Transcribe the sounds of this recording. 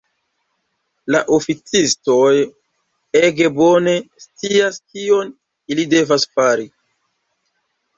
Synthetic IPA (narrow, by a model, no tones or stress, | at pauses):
laʔofit͡sisto̞j | e̞ɡe̞bo̞ne̞st͡siaskio̞n | ilide̞vasfaɾi